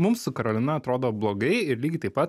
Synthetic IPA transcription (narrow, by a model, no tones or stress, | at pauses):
mʊmssʊkɐɾoːlʲɪnɐɐt̪ɾoːd̪oːblˠoːɡɐɪɪɾlʲiːɡʲɪt̪ɐɪpɐt̪